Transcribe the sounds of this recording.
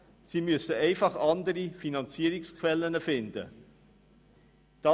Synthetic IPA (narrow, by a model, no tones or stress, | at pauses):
siːmyəsəɛɪfɑχɑnd̪əɾifinɑnt͡siːəɾɪkskʰvɛlːənəfɪnd̥̪ə̰ | d̥ɑ